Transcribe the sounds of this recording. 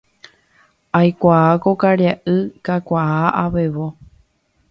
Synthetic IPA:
ajkʷaakokaɾjaʔɨkakʷaaʔaʋeʋo

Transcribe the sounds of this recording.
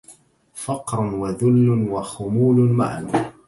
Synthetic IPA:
fɑqɾˤʊnwaðʊlːʊnwaxʊmuːlʊnma̰ʕa̰n

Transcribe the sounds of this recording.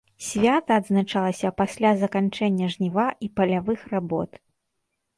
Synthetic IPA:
sʲvʲat̪ɐːd̪znat͡ʂalˠɐsʲɐpasʲlʲazɐkant͡ʂɛnʲːɐʐnʲivaʔipɐlʲavɨxrabɔ̰t̪

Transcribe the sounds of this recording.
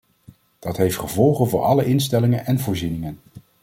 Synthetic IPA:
d̥ɑtɦejftχəvɔlˠχənvʊːɹʔɑləʔɪnstɛlɪŋənɛnvʊːɹzinɪŋən

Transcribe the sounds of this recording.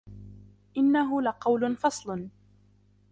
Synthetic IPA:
ʔɪnːaɦʊlaqɑwlʊnfɑsˤlʊn

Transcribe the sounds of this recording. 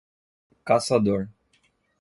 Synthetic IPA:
kasad̪oɾ

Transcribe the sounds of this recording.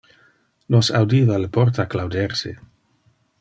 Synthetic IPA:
nosawdiːvaləpoɾt̪aklawdɛɾsḛ

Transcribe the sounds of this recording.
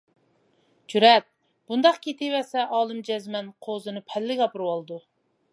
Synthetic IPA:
d͡ʒyɾɛt̪̚ | b̥und̪ɑqkʲʰet̪ʰɪwɛsɛʔɑːlˠɨmd͡ʒɛzmɛnqʰozɨnɨpʰɛlːɪɡʲɑpɨɾwɑlˠɨd̪u

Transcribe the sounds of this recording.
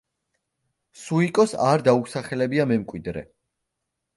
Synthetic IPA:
suikʼɔsaɾd̪ausaχɛlɛbiamɛmkʼwid̪ɾɛ̰

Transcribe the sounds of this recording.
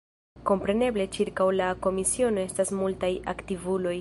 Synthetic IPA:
ko̞mpɾe̞ne̞ble̞t͡ʃiɾkawlako̞misio̞no̞e̞stasmultaja̰ktivulo̞j

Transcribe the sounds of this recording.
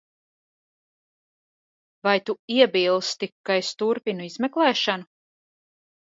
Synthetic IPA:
vajt̪uiɛbiːlˠst̪ikːajst̪uɾpinuizmɛklˠɛːʃanu

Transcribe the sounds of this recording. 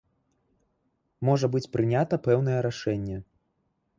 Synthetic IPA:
mɔʐɐbɨt͡sʲpɾɨnʲat̪ɐpɛwn̪ɐjɛɾaʂɛnʲːɛ

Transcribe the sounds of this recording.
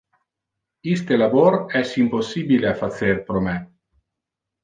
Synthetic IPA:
ist̪elaboɾɛsimposːibileafat̪serpɾomɛ

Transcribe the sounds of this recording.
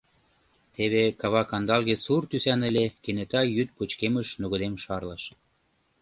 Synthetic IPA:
t̪eβekɑβɑkɑnd̪ɑlɣesurt̪ysænə̆lʲekenet̪ɑjyt̪̚put͡ɕkeməʃnuɣŏd̪emʃɑrlɑʃ

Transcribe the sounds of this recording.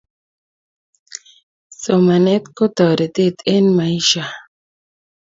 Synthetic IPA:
somanet̪kot̪ɔɾet̪et̪enmaiʃa

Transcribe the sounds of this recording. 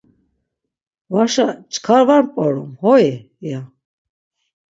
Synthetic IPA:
vaʃat͡ʃkʰaɾvaɾpʼɔɾumhɔɛ | ja

